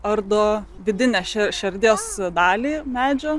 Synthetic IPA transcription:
ɐɾd̪oː | ʋʲɪd̪ʲɪnʲæːʃʲɛʃʲɛɾʲd̪ʲeːsd̪ɑːlʲiːmʲæːd͡ʒʲoː

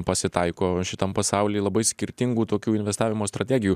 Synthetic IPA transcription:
pɐsʲɪt̪ɐɪkoːʃʲɪt̪ɐmpɐsɑʊlʲiːlˠɐbɐɪsʲkʲɪɾʲt̪ʲɪŋɡuːt̪oːkʲuːɪnʋʲɛst̪aːʋʲɪmoːst̪ɾɐt̪ʲɛɡʲɪjuː

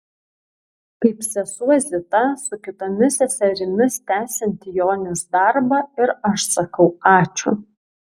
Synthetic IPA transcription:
kɐɪpsʲɛsuɔzʲɪt̪ɐsʊkʲɪt̪omʲɪsʲɛsʲɛɾʲɪmʲɪst̪ʲæːsʲɛnʲt̪ʲjoːnʲɪsd̪ɐɾbɐɪɾɐʃsɐkɐʊɑːt͡ʃʲʊ̰

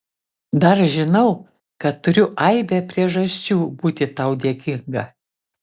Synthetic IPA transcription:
d̪ɐɾʒʲɪnɐʊ | kɐt̪tːʊɾʲʊʔɐɪbʲɛpʲɾʲiɛʒɐsʲt͡ʃʲuːbuːt̪ʲɪt̪ɐʊd̪ʲiɛːkʲɪŋɡɐ

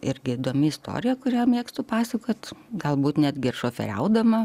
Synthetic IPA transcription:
ɪɾʲɡʲɪid̪oːmʲɪɪst̪o̰ːɾʲɪjɛkʊɾʲæːmʲeːkst̪ʊpɑːsɐkoːt̪ɡɐlˠbuːt̪nʲæd̪ʲɡʲɪɪrʃoːfʲɛ̰ɾʲɛ̰ʊd̪ɐmɐ

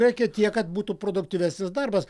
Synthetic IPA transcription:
ɛkʲɛt̪ʲiɛkɐt̪̚buːt̪upɾoːd̪ʊkt̪ʲiʋʲæsʲnʲɪsd̪ɐrbɐs

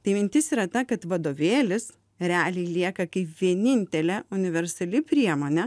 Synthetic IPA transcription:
t̪ɐɪmʲɪnʲt̪ʲɪsiːɾɐt̪ɐkɐt̪ʋɐd̪oːʋʲeːlʲɪs | ɾʲɛɑːlʲɛɪlʲiɛkɐkɐɪpʋʲiɛnʲɪnʲt̪ʲɛlʲɛʊnʲɪʋʲɛɾsɐlʲɪpʲɾʲiɛmoːnʲɛ

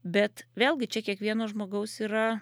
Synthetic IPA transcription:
bʲɛt̪ʋʲeːlˠʲɡʲɪt͡ʃʲɛkʲiɛkʋʲiɛnoːʒmoːɡɐʊsiːɾɐ

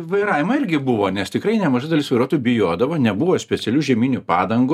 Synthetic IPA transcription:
ʋɐɪɾɑːʋʲɪmɐɪɾʲɡʲɪbʊʋoːnʲɛst̪ʲɪkɾɐɪnʲɛmɐʒɐɪd̪ɐlʲɪsʋɐɪɾuɔt̪ubʲɪjoːd̪ɐʋoːnʲɛbʊʋoːsʲpʲɛt̪sʲɛlʲuːʒʲɛmʲiːnʲʊpɑːd̪ɐŋɡʊ

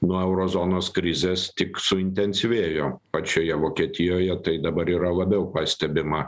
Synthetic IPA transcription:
nuɔɛʊɾoːzoːnoːskɾʲɪzʲeːst̪ʲɪksʊɪnʲt̪ʲɛnʲsʲiʋʲeːjoːpɐt͡ʃʲoːjɛʋoːkʲiɛt̪ʲɪjoːjɛt̪ɐɪd̪ɐbɐɾiːɾɐlˠɐbʲɛʊpɐsʲt̪ʲɛbʲɪmɐ

